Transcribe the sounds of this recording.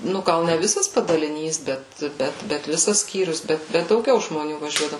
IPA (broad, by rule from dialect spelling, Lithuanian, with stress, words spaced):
ˈnʊ ˈɡɐlˠ nʲɛ ˈʋʲɪsɐs pɐdɐlʲɪˈnʲiːs ˈbʲɛt ˈbʲɛt bʲɛt ˈʋʲɪsɐs ˈsʲkʲiːrʲʊs ˈbʲɛt bʲɛt dɐʊˈɡʲɛʊ ʒmoːˈnʲuː ʋɐˈʒʲuɔdɐʋʊ